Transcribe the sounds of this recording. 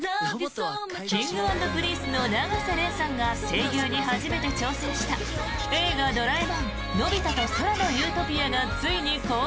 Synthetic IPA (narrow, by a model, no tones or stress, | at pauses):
kʲĩŋɡɯ̟ãnd̪o̞kɯ̟ɾʲiːsɨno̞naɡaseɾẽ̞ɰ̃sãŋɡase̞ːɡʲoːɲ̟iɦaʑime̞t̪e̞t͡ɕo̞ːsẽ̞ɰ̃ɕi̥t̪a | eːɡad̪o̞ɾaibãn | no̞bʲit̪at̪osoɾano̞jɯ̟ːt̪o̞pʲiaɡat͡sɨiɲ̟iko̞